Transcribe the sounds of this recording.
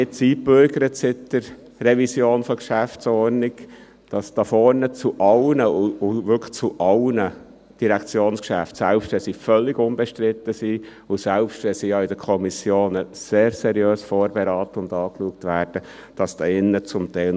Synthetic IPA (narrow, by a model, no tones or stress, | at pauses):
ɪt͡siːpøɾɡəɾətsɪd̥əɾ | rɛvisjoːnfɔkʃæft͡sɔɾnɪk | d̥ɑsd̥ɑfɔɾnət͡suʔɑwnəʊʊʋʏkχt͡suʔɑlnə | d̥iɾɛkʰt͡sjoːnskʃæ̰ftsælpʃtʋɛlsifœlːɪɡʊnbɛʃtɾɪt̪ːəsi | ʊsɛlpʃtʋɛsiːjɑidəkʰɔmisjoːnəseːɾsɛɾjøːsfoːɾbɛɾɑːt̪əʊndɑːkluək̚tʋæːɾd̥ə | d̥ɑsd̥ɑːɪnːət͡sʊmtæɪl